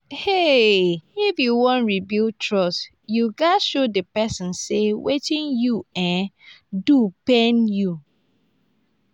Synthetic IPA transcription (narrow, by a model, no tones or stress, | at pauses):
he | ifjuwɔ̃nɹibiltʰɹɔs | juɡaʃodəpɛsɪ̃nsewet͡ʃĩnjuɛ̃ndupẽnju